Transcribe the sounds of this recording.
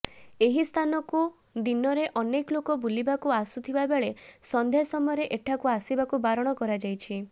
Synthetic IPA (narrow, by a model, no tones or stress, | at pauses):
eɦist̪ʰanɔku | d̪inɔɾeʔɔnekɔlokɔbulibakuasut̪ʰibabeɭesɔnd̪ʱjasɔmɔjɔɾeʔeʈʰakuasibakubaɾɔɽ̃ɔkɔɾad͡ʒajt͡ʃʰi